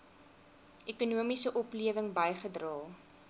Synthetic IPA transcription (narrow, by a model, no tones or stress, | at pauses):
ʔekunuəmisəʔɔpliəvəŋbəjχədrɑːlˠ